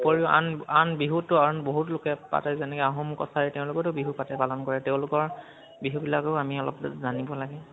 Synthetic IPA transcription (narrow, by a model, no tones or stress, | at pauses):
poɹiʊʔa̰nanbiɦutʊaɹɔnboɦutlʊkɛpa̰tɛzɛnɛkɛaɦɔmkɔ̰tʰaɹɛtɛʊ̃lʊkɔtʊbiɦupatɛpalɔnkɔɹɛtɛʊ̃lʊkɔɹ | biɦubilakoʊamiɔlɔ̰pzanibɔlaɡɛ